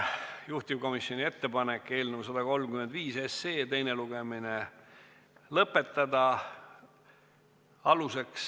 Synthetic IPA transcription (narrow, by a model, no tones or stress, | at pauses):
juht̪ivko̞misjo̞nʲie̞t̪ːe̞pɑnekːˑe̞ːlnevus̬ɑd̪̥ɑko̞lmkymend̪viːseseːt̪e̞jne̞luɡ̥e̞mine | lɤpːˑe̞t̪ːˑɑd̪ɑ | ɑluse̞ks